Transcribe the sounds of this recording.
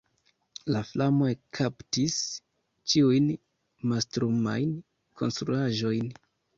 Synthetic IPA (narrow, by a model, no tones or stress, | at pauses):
laflamo̞ekʰaptis | t͡ʃiujn | mastɾuma̰jn | kʰo̞nstɾuaʒo̞jn